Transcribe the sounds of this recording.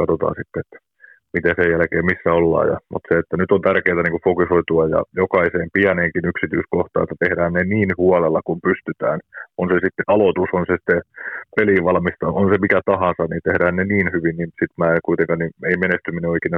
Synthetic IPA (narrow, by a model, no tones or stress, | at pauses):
kɑt̪ot̪ɑ̰ːnsit̪ːeet̪ːæ̥ | mit̪esejjælkeːmisːæolːɑ̰ːjɑ̰mṵt̪seet̪ːænyt̪ont̪ærkeːt̪æniŋkufokusoit̪uɑjɑ̰jokɑiseːmpiæneːŋkinyksit̪yiskoht̪ɑ̰ːet̪ːæt̪ehdæːnneniːnhuɑlelːɑkumpyst̪yt̪æ̰ːnonsesit̪ːeʔɑlot̪usonsesi̥t̪ːepeliʋʋɑlmist̪ɑonsemikæt̪ɑhɑnsɑnnint̪ehdæːnneniːnhyʋinniːmsit̪mæːkuit̪eŋkɑnnieimenest̪ymineoikinɑ